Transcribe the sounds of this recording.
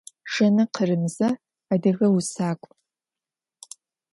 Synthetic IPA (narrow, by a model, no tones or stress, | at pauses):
ʂɐnɨqʰərɨmzɐː | dɨɣɐwusaːkʷʼ